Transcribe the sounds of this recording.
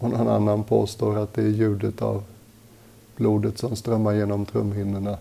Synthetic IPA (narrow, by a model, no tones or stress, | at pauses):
ɔnɔna̰nːanpʰo̰ːst̪oːɾat̪̚d̪ɛæɾjʉ̟ːd̪ət̪a̰v | b̥luːd̪ət̪sɔmst̪ɾœmːaɾjeːnɔmt̪ʰɾɵmːhɪnːəɳa